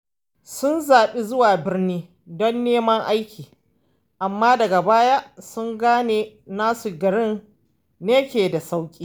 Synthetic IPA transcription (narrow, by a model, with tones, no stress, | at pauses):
sʊ˦nzaː˨ɓi˦zʊ˦waː˨bɪ˦rniː˦ | dɔ˦nːeː˦mɐ˦ŋʔa˦jkʲʰiː˨ | ʔa˨mːaː˦dɐ˨ɡa˨baː˦ja˦sʊ˦ŋɡaː˦neː˨naː˦su˨ɡɐ˨ɽɪ˦nː | eː˦kʲeː˨da˨sa˦wkʲʼiː˦